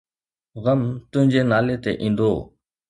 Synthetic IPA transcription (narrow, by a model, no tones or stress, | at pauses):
ɣəmt̪ʊ̃ɦɪ̃ɲd͡ʑenaːlet̪ḛʔĩːn̆d̪oː